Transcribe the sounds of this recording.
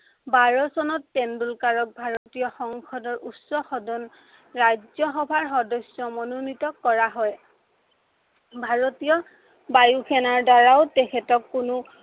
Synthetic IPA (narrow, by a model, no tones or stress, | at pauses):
baɹɔsɔnɔtːɛndulkaɹɔk̚bʱaɹotijɔxɔŋkʰɔdɔɹʔutsɔxɔdɔn | ɹajzɔɦɔbʱaɹxɔdɔsjɔmɔnunitɔkːɔɹaɦɔj | bʱaɹotijɔ | bajukʰɛnaɹdaɹaʊtɛkʰɛtɔkːunʊ